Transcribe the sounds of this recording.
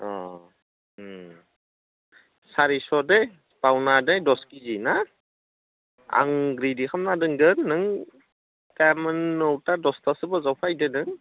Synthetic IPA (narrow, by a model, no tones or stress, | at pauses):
ɔ̰ | saɾisɔdej | pawnadejdɔskizina | a̰ŋɡɾidikʰamnadɯŋɡɯnːɯŋ | tamɯnːɔwtadɔstasɯbɔzawpʰajdɯnɯŋ